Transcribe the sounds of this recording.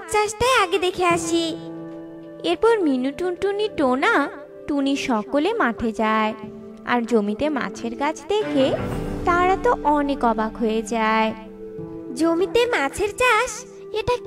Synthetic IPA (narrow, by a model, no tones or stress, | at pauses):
t͡ɕaʃʈaeaɡed̪ekʰeaʃi | eɾpɔɾminuʈunʈuniʈona | ʈuniʃɔkolemaʈʰed͡ʑae | a̰ɾd͡ʑomit̪ema̰t͡ɕʰeɾkat͡ɕʰd̪ekʰet̪aɾat̪oʔɔnekɔbakɦoed͡ʑae | d͡ʑomit̪emat͡ɕʰeɾt͡ɕaʃ | eʈa